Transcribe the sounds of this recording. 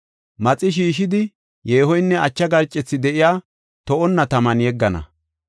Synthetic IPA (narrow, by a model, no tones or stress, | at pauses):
mɐt͡sʼːɪʃ̬iːʃɪd̪ɪ | jeːhɔjnːɛʔɐt͡ʃːɐɡɐɾt͡ʃʼːɛt͡sːɪd̪ɛʔɪjaː | t̪ɔʔɔnːɐt̪ɐmɐnjɛɡːɐnɐ̰